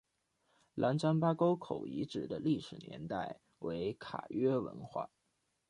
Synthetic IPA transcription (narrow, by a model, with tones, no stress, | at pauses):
lʔa˧˥nt͡sa˥npa˥ko˥ʊkʰo˨˩ʊi˧˥ʈ͡ʂɻ̩˨˩d̪ə˦li˥˩ʂɻ̩˨˩njɛ̰˧˥nt̪a˥˩ɪ | we˧˥ɪkʰa̰˨˩ɥɛ˥wə̰˧˥nxwa̰˥˩